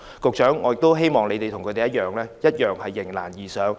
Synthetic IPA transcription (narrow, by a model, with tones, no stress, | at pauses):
kʊ˨k̚t͡ʃœː˨˥ŋːɔː˨˧jɪ˨k̚t̪o˥wɦe˥jmɔː˨ŋle˨˧jt̪e˨jt̪ʰʊ˨˩kʰɵ˨˧t̪e˨jɐ˥t̚jœː˨ŋlɛː˥jɐ˥t̚jœː˨ŋhɐ˨jːɪ˨˩ŋla̰ː˨˩njiː˨sœː˨˥ŋ